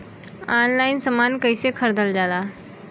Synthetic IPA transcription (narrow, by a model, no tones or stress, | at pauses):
anlainsəmankəjsekʰəɾd̪əld͡zala